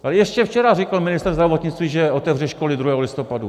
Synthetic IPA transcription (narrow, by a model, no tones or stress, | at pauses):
alɛjɛʃcɛft͡ʃɛɾarɪkalmɪnɪst̪ɾrzd̪ɾavot̪ɲɪt͡st̪viːʒɛʔot̪ɛvrɛʃko̞lɪd̪ɾuɦɛːɦolɪst̪o̞padu